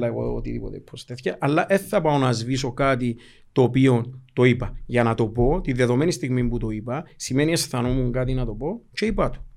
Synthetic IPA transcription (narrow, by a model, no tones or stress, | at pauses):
ɐeɣo̰o̰t̪iðḭpot̪epʰːost̪eθicɐʔɐlːɐʔe̞θːɐpɐonɐzviso̞kɐt̪̬i | t̪o̞ːpio̞nt̪o̞ipɐʝɐnɐt̪o̞po̞t̪inðe̞ðo̞menist̪iɣmimput̪o̞ipɐsimenie̞sθɐno̞muŋɡɐt̪̬inɐt̪o̞po̞t͡ʃe̞ipɐt̪o̥